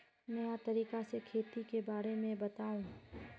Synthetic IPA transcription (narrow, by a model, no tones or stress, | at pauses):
mejat̪ɐɾiːkasekʰeːt̪ikebaːɾemẽbɐt̪aːũ